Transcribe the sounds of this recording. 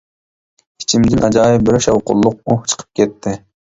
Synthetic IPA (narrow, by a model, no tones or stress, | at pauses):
i̥t͡ʃʰimd̪ɪnʔɑd͡ʒɑːjɪbɪɾʃɑwqʊ̰lˠːʊq̚uht͡ʃʰə̥qʰə̥p̚kʲʰɛt̪ʰːɪ